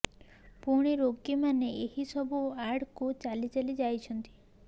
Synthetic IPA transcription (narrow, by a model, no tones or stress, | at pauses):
puɽ̃iɾokimaneehisɔbuaɾɖkut͡ʃalit͡ʃalid͡ʒajt͡ʃʰɔnt̪i̥